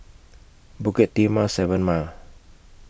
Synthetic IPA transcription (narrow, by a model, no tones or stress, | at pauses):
bukɪt̪̚ːiməsɛvənmal